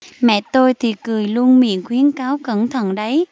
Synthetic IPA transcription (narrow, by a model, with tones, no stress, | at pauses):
mɛ̰˧˨t̪o˧jt̪ʰi˨˩kɨ˨˩əjlu˧ənmḭ˧˨ənxwi˨˦ənkaː˨˦wkə̰˧˩nt̪ʰə̰˧˨nɗə˨˦j